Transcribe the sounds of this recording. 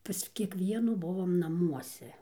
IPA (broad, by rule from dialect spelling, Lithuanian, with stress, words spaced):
pɐs kʲiɛˈkʋʲiɛnuː ˈbʊʋoːm nɐˈmuɔsʲɛ